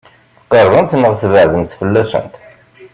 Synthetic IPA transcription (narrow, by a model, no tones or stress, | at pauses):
θəqːəɾðˤənt̪nːəʁθvəʕðənt̪θfəlːæsə̰nt̪